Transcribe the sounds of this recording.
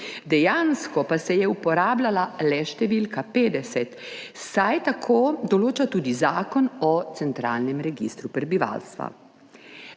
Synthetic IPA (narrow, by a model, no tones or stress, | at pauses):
d̪ɛjaːnskɔpasɛjɛupɔɾaːblalalɛʃt̪ɛʋilkapeːd̪ɛsɛt̪sajt̪akʰoːd̪ɔloːt͡ʃat̪uːd̪izaːkɔnɔt̪sɛnt̪ɾa̰ːlnɛmɾɛɡist̪ɾupɾɛbiʋa̰lst̪ʋa̰